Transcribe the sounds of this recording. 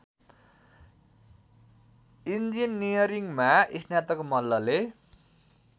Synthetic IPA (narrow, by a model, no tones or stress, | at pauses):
ind͡zinːijʌɾiŋmaisnjat̪ʌkomʌlːʌle